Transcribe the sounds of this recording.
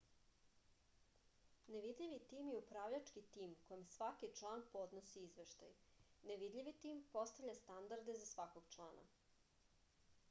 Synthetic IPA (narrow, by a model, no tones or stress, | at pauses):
neʋid̪ʎʲiʋit̪iːmjeupɾaːʋʎat͡ʃkit̪iːmkojemsʋakit͡ʃlˠaːnpo̞d̪nosiizʋeʃt̪a̰jneʋid̪ʎʲiʋit̪iːmpo̞st̪avʎʲast̪and̪aɾd̪e̞zasʋakoɡt͡ʃlˠaːna̰